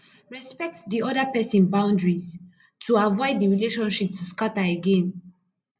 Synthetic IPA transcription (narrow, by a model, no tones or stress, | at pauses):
ɹɛspɛk̚tdiɔdəpɛsĩnbãʊ̃ndɹiz | tʰuavɔɪdiɹileʃɔ̃nʃip̚tʰuskataeɡẽn